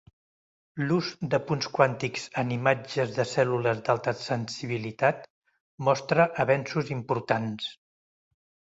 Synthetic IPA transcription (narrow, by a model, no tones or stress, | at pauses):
luzd̪əpunskwant̪ikz̥ənimad͡ʒəzðəsɛluləzd̪alˠt̪əsənsiβ̞ilit̪at̪̚ | mɔst̪ɾəʔəβɛnsuzimpuɾt̪ans